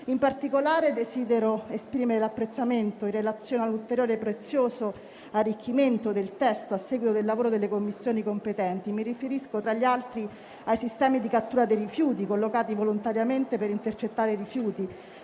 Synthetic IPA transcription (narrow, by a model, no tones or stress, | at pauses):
impart̪ikolaːɾed̪esiːd̪eɾoespɾiːmeɾelapːɾet̪sːament̪oirːelat̪sːjoːnalːult̪eɾjoːɾepɾet̪sːjoːso | arːikʰːiment̪od̪elt̪ɛst̪oasːɛɡwit̪od̪elːavoːɾod̪elːekomːisːjoːnikompet̪ɛnt̪imirifeɾiskot̪ɾaʎːialt̪ɾi | ajsist̪ɛːmid̪ikat̪ːuːɾad̪ejɾifjuːt̪ikolːokaːt̪ivolont̪aɾjament̪epeɾint̪ert͡ʃet̪ːaːɾeiɾifjuːt̪i